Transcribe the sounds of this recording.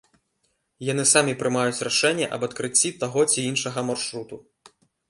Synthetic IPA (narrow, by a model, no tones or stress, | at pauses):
jan̪ɨsamʲipɾɨmajut͡sʲraʂɛnʲːɛʔɐbɐt̪kɾɨt͡sʲːit̪aɣɔt͡sʲiinʂɐɣɐmarʂɾut̪u